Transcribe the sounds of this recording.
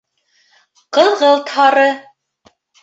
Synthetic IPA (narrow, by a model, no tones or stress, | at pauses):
qɤ̆ðʁɤlˠt̪hɑɾɤ